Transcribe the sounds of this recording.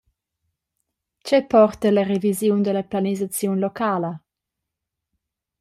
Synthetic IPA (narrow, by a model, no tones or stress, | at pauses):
t͡ʃɛpɔrt̪ələɾevizjund̪əlaplanizat͡sjunlɔkʰaːlə